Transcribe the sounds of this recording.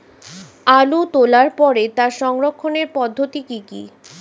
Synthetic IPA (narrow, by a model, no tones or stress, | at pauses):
alut̪olaɾpɔɾet̪aɾʃɔŋɾokʰːoneɾpɔd̪ʱːot̪ikikḭ